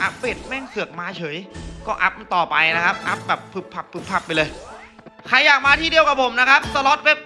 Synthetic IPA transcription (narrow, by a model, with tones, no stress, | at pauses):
ʔa˦˥pːe˨˩t̪̚mɛː˥˩ŋsɯ˨˩ək̚maː˧t͡ɕʰɤː˩˦jkɔː˥˩ʔa˦˥p̚m˧t̪ɔː˨˩pa˧jna˦˥kʰa˦˥p̚ʔa˦˥p̚bɛː˨˩pʰːɯ˨˦˩p̚pʰːa˨˩pʰːɯ˨˩p̚ʰːa˨˩pːa˧jlɤː˧j | kʰa˧jːaː˨˩k̚maː˧t̪ʰiː˥˩di˧əwka˨˩pʰo˩˦mna˦˥kʰa˦˥p̚sa˧lɔ˦˥t̪̚we˦˥p̚